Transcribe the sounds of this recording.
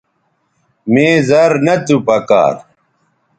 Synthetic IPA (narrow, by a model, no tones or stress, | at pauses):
mẽːzɐɾnɐt̪upɐka̰ːɾ